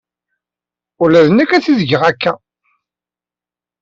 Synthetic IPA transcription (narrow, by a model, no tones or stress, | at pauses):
ʊlæðənækːæθiðɡəʁækːæ